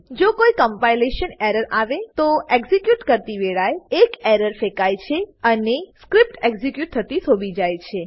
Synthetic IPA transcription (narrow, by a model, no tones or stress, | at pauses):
d͡ʒokoikəmpajleʃəneɾəɾaʋet̪oeɡzikjuʈkəɾt̪iʋeɭajekɛɾəɾfekajt͡ʃʰeəneskɾip̚ʈeɡzikjuʈ̚t̪ʰːət̪isobʱid͡ʒajt͡ʃʰe